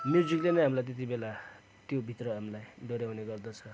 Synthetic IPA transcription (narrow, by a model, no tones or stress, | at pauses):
mjud͡ziklenʌɦamilajt̪̬et̪̬ibela | t̪jobʱit̪rʌɦamilajɖʌɾjawneɡʌrd̪ʌt͡sʰʌ